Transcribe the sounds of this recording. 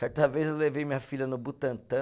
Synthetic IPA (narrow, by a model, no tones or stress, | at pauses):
sɛɾt̪ɐvejzewlevejmĩɲɐfilɐnʊbut̪ɐ̃nt̪ɐ̃